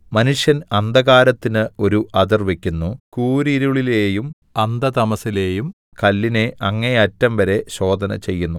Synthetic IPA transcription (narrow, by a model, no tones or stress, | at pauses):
mɐnuʂjɐnɐnd̪ɐɣaːɾɐt̪ːinɨo̞ɾuʔɐd̪irʋe̞kʲːunːukuːɾiɾuɭileːjum | ɐnd̪ɐt̪ɐmɐsileːjum | kɐlːine̞ʔɐŋːɐneɐtːɐmʋɐɾe̞ɕo̞ːd̪ʱɐnɐ̰t͡ɕe̞jːunːu